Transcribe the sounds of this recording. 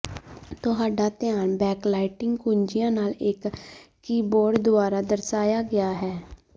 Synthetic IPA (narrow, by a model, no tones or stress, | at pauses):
t̪ʊɦaːɖaːt̪ɪjaːnbɛːklaːɪʈɪŋɡkuːɲd͡ʒɪjãːnaːlɪkː | iːboːɖd̪ʊaːɾaːd̪əɾsaːjaːɡɪjaːɦɛː